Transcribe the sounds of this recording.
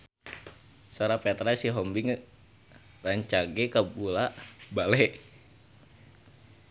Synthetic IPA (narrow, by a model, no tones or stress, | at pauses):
soɾapɛt̪ɾasiɦɔmbiŋ | raɲt͡ʃaɡɛkabulabalɛ